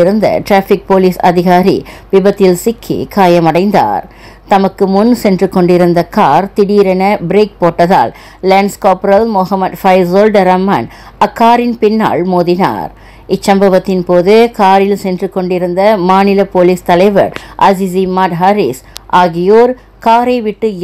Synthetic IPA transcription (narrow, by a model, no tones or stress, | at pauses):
ɪɾɯnd̪ɐ̰ʈɾaːfɪk̚poːliːsɐ̰ðɪɣaːɾḭpɪbɐt̪ːɪlsɪkʰːḭkaːjɐmɐɽɐɪnd̪a̰ːɾ | t̪ɐmɐkːɯmʊnsɛndrɯkːɔɳɖɪɾɯnd̪ɐkaːɾt̪ɪɽiːɾɛnɐbɾeːk̚poːʈːɐða̰ːl | leːɳɖskoːpɾɐlmɔɦɐmɐd̪fɐɪzoːlɖɐɾɐmːɐ̰ːn | ɐkːaːɾɪnpɪnːa̰ːɭmoːðɪna̰ːɾ | ɪt͡ʃːɐmbɐʋɐt̪ːɪnpoːðɯkaːɾɪlsɛndrɯkːɔɳɖɪɾɯnd̪ɐmaːnɪlɐpoːliːst̪ɐlɐɪʋɐ̰ɾʔɐ̰zizimaːʈɦɐɾisʔaːɣɪjoːɾ | kaːɾɐɪʋɪʈːɯ